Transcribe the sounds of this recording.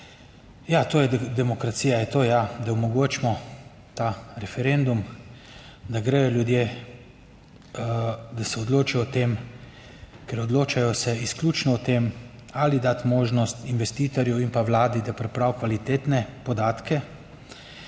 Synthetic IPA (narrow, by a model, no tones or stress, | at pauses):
jat̪oːjɛd̪ɛmɔkɾat̪siːjajɛt̪oːjad̪aɔmɔɡoːt͡ʃmɔ | t̪aɾɛfɛɾend̪um | d̪aɡɾɛjɔljud̪jeː | d̪asɛɔd̪loːt͡ʃijɔt̪em | kɛɾɔd̪loːt͡ʃajɔsɛisklʲuːt͡ʃnɔɔt̪eːmalid̪at̪moːʒnɔst̪inʋɛst̪iːt̪ɔɾjɛwinpaʋlaːd̪id̪apɾɛpɾaːwkʋalit̪eːt̪nɛpɔd̪aːt̪kɛ